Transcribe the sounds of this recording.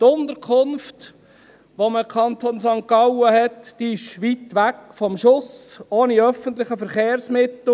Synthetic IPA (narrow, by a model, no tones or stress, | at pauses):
t̪ʊnd̪əɾkʰχʊnft | ʋoməkʰɑnt̪oːnsɑŋkɑwəhɛtd̥iɪʃʋitʋækfɔmʃʊsoːniœfənt̪lɪχəfəɾχeːɾsmɪt̪l̩